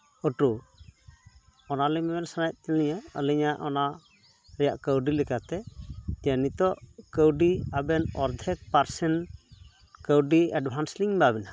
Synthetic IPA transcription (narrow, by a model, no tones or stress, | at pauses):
əʈu | ɔnalɛmɛmɛlsanaj̚t̪ɛliɲəə̰liɲaʔɔnaʔ | ɾɛjaʔkəwɖilɛkat̪ɛt̪ijanit̪ɔʔkəwɖiabɛnɔɾd̪ʱɛk̚paɾsɛn | kəwɖiɛɖbʱansliŋbabɛna